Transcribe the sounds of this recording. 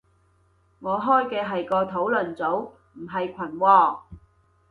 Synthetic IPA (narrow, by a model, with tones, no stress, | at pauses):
ŋɔː˨˧ɦɔː˥jkɛː˧ɦɐ˨jkɔː˧t̪ʰo˨˥wlɵ˨˩nt͡so˨˥w | m̩˨˩ɦɐ˨jkʷʰɐ˨˩nwɔː˧